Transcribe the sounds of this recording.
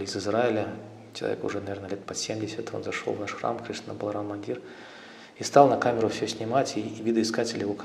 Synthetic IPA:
lʲɪzɨzraɪlʲə | t͡ɕɪlˠɐ̰vʲḛkʊ̰ʐɛnɐvʲeɾnəlʲet̪̚pɐsʲemdʲɪsʲət̪o̞̰nzɐʂo̞̰lˠvnaʂxra̰mkɾʲiʂt̪ənəbəlˠɾamɐnʲdʲir | ist̪ɑlˠnɐkamʲɪɾʊfsʲɵsʲnʲɪmatʲivʲid̪ɨɪskatʲɪlʲɪjɪvok

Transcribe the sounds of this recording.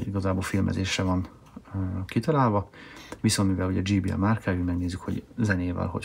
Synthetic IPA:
iɡɒzaːboːlfilmʔɛ̰zeːʃrɛvɒn | kit̪ɒlaːlvɒʋisonmivɛluɟɛd͡ʒiːbiɛ̰maːrkʰɛyːmɛɡneːzːykhoɟzɛneːvɛ̰lɦo̞̰

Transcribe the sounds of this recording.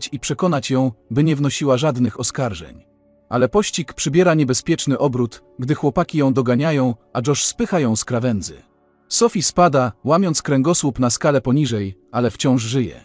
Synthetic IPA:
t͡ɕipʂɛkɔnat͡ɕjɔ̃w̃bɘɲɛvnɔɕiwaʐad̪nɘxɔskaɾʐɛ̰ɲ | ʔa̰lɛpɔɕt͡ɕikpʂɘbʲjɛɾaɲɛbɛspʲjɛt͡ʂnɘʔɔbɾut̪ | ɡd̪ɘxwɔpakʲijɔ̃w̃d̪ɔɡaɲajɔ̃w̃ʔaʐɔʂspɘxajɔ̃w̃skɾavɛnd̪zɘ̰ | sɔfʲispad̪awamʲɔnt̪skɾɛŋɡɔswupnaskalɛpɔɲiʐɛjʔalɛft͡ɕɔ̃w̃ʂʐɘjɛ̰

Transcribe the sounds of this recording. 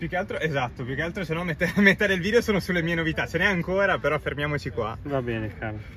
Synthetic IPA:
pjukːealt̪ɾoʔezat̪ːopjukealt̪ɾosenːɔmːet̪ːamet̪ːad̪elvid̪eosoːnosulːemiːenovit̪at͡ʃenɛaŋkoːɾapeɾɔfːermjaːmot͡ʃikwa̰vabɛːnekaɾ

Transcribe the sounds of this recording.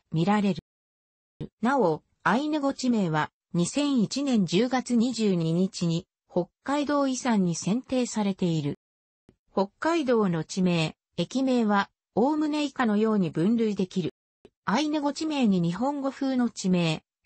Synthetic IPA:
mʲiɾaɾe̞ɾɯ̟ | nao̞ | ainɯ̟ɡo̞t͡ɕime̞ːβa | ɲ̟isẽ̞ɰ̃it͡ɕinẽ̞ɲ̟d͡ʑɨːɡat͡sɨɲ̟iʑɨːɲ̟iɲ̟it͡ɕiɲ̟i | ho̞kːaid̪o̞ːisãɲ̟ːisẽ̞nt̪e̞ːsaɾe̞t̪e̞iɾɯ̟ | ho̞kːaid̪o̞ːno̞t͡ɕime̞ː | ekʲime̞ːβa | oːmɯ̟neikano̞jo̞ːɲ̟ibɯ̟̃nɾɯ̟id̪e̞kʲiɾɯ̟ | ainɯ̟ɡo̞t͡ɕime̞ːɲ̟iɲ̟iɦõ̞ŋɡo̞ɸɯ̟ːno̞t͡ɕime̞ː

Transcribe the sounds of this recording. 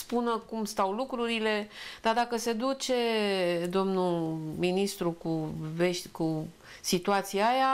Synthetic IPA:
spunəkumst̪awlukɾuɾile̞d̪̥ad̪akəse̞d̪ut͡ʃe̞d̪o̞mnuminist̪ɾukuve̞ʃt̪ʲku | sit̪uat̪sijaja

